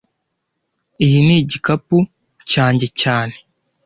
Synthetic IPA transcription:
ijiniɟikapu | caːɲɟe̞caːne̞

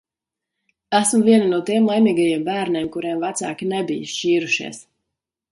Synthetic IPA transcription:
æsmuviɛninuɔt̪imlˠajmiːɡajeɛmbæːɾnʲɛːmkuɾɛmvæt̪sa̰ːkʲinɛbijʃt͡ʃiːɾuʃḭɛs

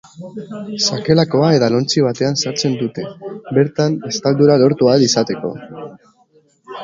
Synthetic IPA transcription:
sake̞lako̞ae̞ðalo̞nt͡siβ̞at̪e̞ansaɾt͡se̞nd̪ut̪e̞be̞ɾt̪anbe̞st̪ald̪uɾalo̞ɾt̪uaelisat̪e̞ko̞̰

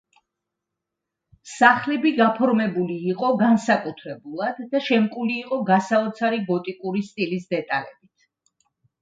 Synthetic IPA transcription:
saχlɛbiɡapʰɔɾmɛbuliːqʼɔɡansakʼut̪ʰɾɛbulˠad̪ːaʃɛmkʼuliːqʼɔɡasaɔt̪sʰaɾiɡɔt̪ʼikʼuɾist̪ʼilisd̪ɛt̪ʼalɛbit̪ʰ

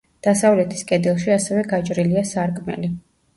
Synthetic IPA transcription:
d̪̥asavlɛt̪ʰi̥skʼɛd̪ɛlˠʃiasɛvɛɡat͡ʃʼɾiliasaɾkʼmɛ̰li

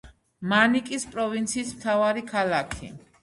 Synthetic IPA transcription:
manikʼispʼɾɔvint̪sʰiːsmt̪ʰavaɾikʰalakʰḭ

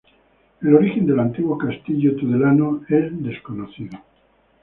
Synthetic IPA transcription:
elo̞ɾixe̞nd̪e̞lant̪iɣwokast̪iʎot̪uðelanoeld̪e̞skonoθiðo

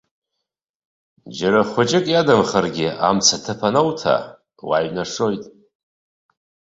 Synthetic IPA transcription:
d͡ʒaɾaχʷʊt͡ʃʼɪkʼjadamχarɡʲɪamt͡sʰatʰɨpʰanowtʰa̰ | waɥnaʂo̞jtʼ

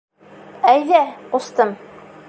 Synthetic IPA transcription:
æjðæqust̪ɤm

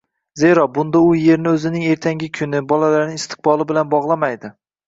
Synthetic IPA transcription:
ze̞ɾɒbʊnd̪aʊje̞ɾnɪɵzɪnɪŋe̞ɾt̪ʰaŋɡʲɪkʲʰʊnɪbɒlalaɾnɪŋɪst̪ʰɪ̥q̚bɒlˠɪbɪlanbɒʁlˠamajd̪ɪ

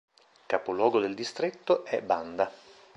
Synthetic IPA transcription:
kapolwɔːɡod̪eld̪ist̪ɾet̪ːoʔɛband̪a

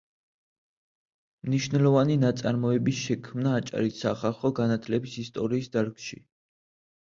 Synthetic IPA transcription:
mniʃvnɛlɔvaninat̪sʼaɾmɔɛbisʃɛkʰmnaːt͡ʃʼa̰ɾisːaχalˠχɔɡanat̪ʰlɛbisist̪ʼɔɾiːsd̪aɾɡʃḭ

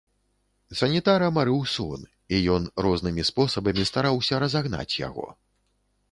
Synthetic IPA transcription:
sɐnʲit̪aɾɐmaɾɨwsɔn | ijɔnɾɔznɨmʲispɔsɐbɐmʲist̪aɾawsʲɐɾɐzaɣn̪a̰t͡sʲja̰ɣɔ̰

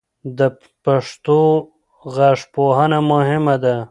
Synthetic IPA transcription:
d̪ə | paʂt̪o | ɣaʂpoɦanamʊhɪmad̪a

